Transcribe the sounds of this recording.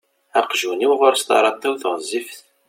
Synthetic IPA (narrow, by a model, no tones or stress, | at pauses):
æqʒuniwʁʊɾst̪ɑ̰ɾˤɑt̪ˤːæwθʁəzːifθ